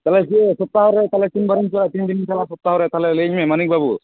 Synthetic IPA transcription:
t̪alesiesɔp̚t̪aɦoɾet̪alet̪inbəɾint͡ʃʰelat̪inɖinit͡ʃalasɔp̚t̪aɦoɾet̪ʰaleled͡ʒmemənik̚babu

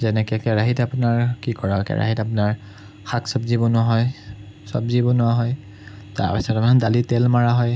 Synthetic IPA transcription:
zɛnɛkɛkɛɹaɦitapʊnaɹkikɔɹakɛ̰ɹa̰ɦitapʊnaɹ | xaksɔbzibɔnɔɦɔj | sɔ̰bzibɔnɔaɦɔj | ta̰ɹpisɔtapnɔdalitɛlmaɹaɦɔj

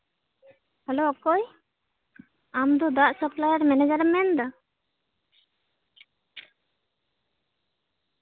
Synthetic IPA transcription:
hɛloɔkɔj | amd̪ɔd̪aʔsəplajaɾmɛnɛd͡ʒaɾɛmɛnd̪a

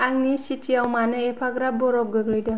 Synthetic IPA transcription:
aŋnisitʰiawmanɯepʰaɡɾap̚bɔɾɔp̚ɡɯɡɾɯjdɔ

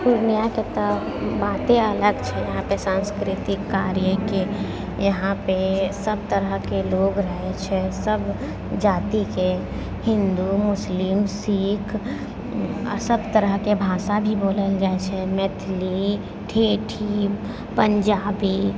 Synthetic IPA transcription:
d̪ʊnjaket̪ə | baːt̪ẽɐləɡt͡ʃʰɛjɐɦãpesãːnskɾɪt̪ɪkːaːɾjəke | jɐɦãpesəb̚t̪əɾəɦkeloːɡɾəɦet͡ʃʰɛsəb | d͡ʒaːt̪ike | hɪ̃nd̪umʊslɪmsiːkʰ | ɾsəbt̪əɾəɦkebʱaːʃabʱiboːləld͡ʒaːet͡ʃʰɛmɛt̪ʰli | ʈʰeːʈʰi | pə̃ɲd͡ʒaːbi

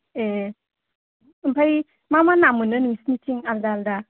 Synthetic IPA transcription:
e | bʰaj | mamanamɯnɯnusnitʰiŋaldalda

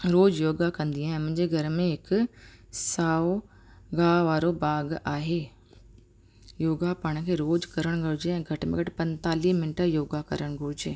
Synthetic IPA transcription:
ɾoːd͡ʑjoːɡakɐ̃nd̪iaːɦɪ̃mʊ̃ɦɪɲd͡ʑeɡʱɐɾmẽɦɪkʊsaːo | ɡaːʋaːɾobaːɡaːɦeː | joːɡapɐɽ̃̆kʰeːɾoːd͡ʑkɐɾəɽ̃ɡʱʊɾʊd͡ʑeɛ̃ːɡʱɐʈmḛ̃ɡɐʈɪpɐ̃nt̪aːliːɦmɪnʈəjoːɡakɐ̰ɾəɽ̃ɡʱʊɽʊd͡ʑeː

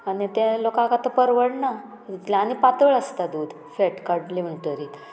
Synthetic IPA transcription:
anit̪ẽlokãkat̪əpəɾʋəɽna | it̪laːñipat̪əɭəst̪ad̪uːd̪ | feʈkaɖlim̤əɳʈəɾiːt̪

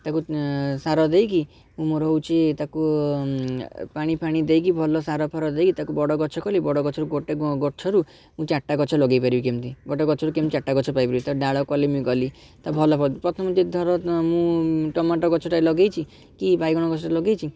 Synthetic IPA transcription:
t̪akusaɾɔd̪ejk̬i | mũmoɾɔwt͡ʃʰet̪aku | paɽ̃ipʰaɽ̃id̪ejk̬ibʱɔlɔsaɾɔpʰaɾɔd̪ejkit̪akubɔɽɔɡɔt͡ʃʰɔkɔlibɔɽɔɡɔt͡ʃʰɔɾuɡoʈeɡɡɔt͡ʃʰɔɾu | mũt͡ʃaʈːaɡɔt͡ʃʰɔlɔɡejpaɾibikemt̪iɡɔʈeɡɔt͡ʃʰɔɾukemt͡ʃaʈːaɡɔt͡ʃʰɔpajpɔɾibit̪aɖaɭɔkɔlimũɡɔli | t̪abʱɔlɔpʰɔt̪pɾɔt̪ʰɔmt̪ed̪ʱɔɾɔmũʈɔmaʈɔɡɔt͡ʃʰɔʈajlɔɡejt͡ʃʰi | kibajɡɔɽ̃ɔɡɔt͡ʃʰɔʈalɔɡejt͡ʃʰi

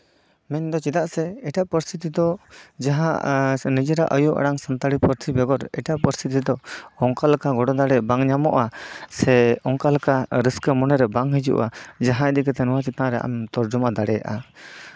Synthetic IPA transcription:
mɛɲd̪ɔt͡ʃit̪aʔsɛɛʈaʔpəɾst̪ʰit̪id̪ɔd͡ʒaɦã̰ʔnid͡ʒɛɾaʔəjuʔa̰ɽaŋsant̪aɽipəɾt̪ʰibɛɡɔɾɛ̰ʈaʔpəɾst̪ʰit̪id̪ɔɔŋkalkaɡɔɽɔd̪aɽɛbaŋɲamɔʔasɛɔŋkalkaɾiskəmɔnɛɾɛbaŋɦid͡ʒṵʔad͡ʒaɦãɛd̪ikɛt̪ɛnɔwat͡ʃit̪ãɾɛʔa̰mt̪ɔɾd͡ʒumad̪aɽɛja̰ʔa

